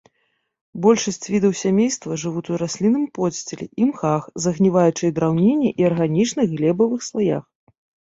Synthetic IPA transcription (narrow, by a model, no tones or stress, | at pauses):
bɔlʲʂɐsʲt͡sʲvʲid̪ɐwsʲamʲejst̪vɐʐɨvut̪ʲuɾasʲlʲinɨmpɔsʲt͡sʲelʲɛ̰ʔimxaxzɐɣnʲivajut͡ʂɨjɛd̪ɾawnʲenʲːɛʔiɐrɣanʲit͡ʂnɨɣɣlʲɛbɐvɨxslˠaja̰x